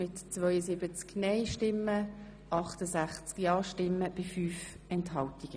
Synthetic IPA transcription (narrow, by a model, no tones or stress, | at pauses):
mɪtt͡svœʏəsɪbət͡sknɛɪʃtɪmːə | ʔɑχtəsaχt͡skjɑːʃtɪmːəb̥ɪfyːf | ɛnthɑltiɡ̥ə